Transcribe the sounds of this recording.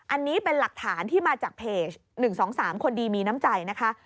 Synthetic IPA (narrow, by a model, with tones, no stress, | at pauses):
ʔa˧nːiː˦˥pe˧nla˨˩k̚t̪ʰaː˩˦nt̪ʰiː˥˩maː˧t͡ɕaː˨˩k̚pʰeː˨˩t͡ɕnɯ˨˩ŋsɔː˩˦ŋsaː˩˦mkʰo˧ndiː˧miː˧na˦˥mt͡ɕa˧jna˦˥kʰa˦˥ʔ